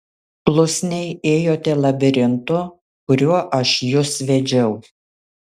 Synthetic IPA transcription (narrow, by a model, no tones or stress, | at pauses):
plˠʊsʲnʲɛɪeːjoːt̪ʲɛlˠɐbʲɪɾʲɪnt̪ʊ | kʊɾʲuɔʔɐʃjʊsʋʲɛd͡ʒʲɛʊ